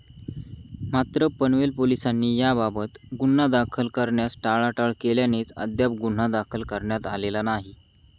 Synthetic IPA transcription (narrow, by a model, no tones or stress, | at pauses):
mat̪ɾəpəɳʋelpolisanːiːjababət̪ɡun̤ad̪akʰəlkəɾɳjasʈaɭaʈəɭkeljanet͡sə̰d̪jap̚ɡun̤ad̪akʰəlkəɾɳjat̪alelanaɦi